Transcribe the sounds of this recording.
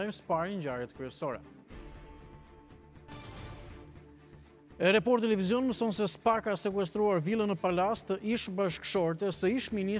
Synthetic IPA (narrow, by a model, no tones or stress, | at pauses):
ɛjmspaɾiɲd͡ʑaɾjɛt̪kɾyɛsɔɾɛ̰ | ɛɾapɔɾt̪ːɛlɛvizjɔnməsɔnsɛspakasɛkwuɛs̬t̪ɾuaɾvilˠənəpalast̪iʃbaʃkʃɔɾt̪ɛsɛiʃmini